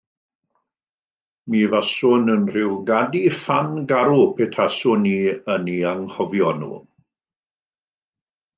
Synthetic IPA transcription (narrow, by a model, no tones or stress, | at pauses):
miːvasʊnənr̥ɪwɡadifanɡaɾupʰetʰasʊniːəniaŋhɔvjɔnṵː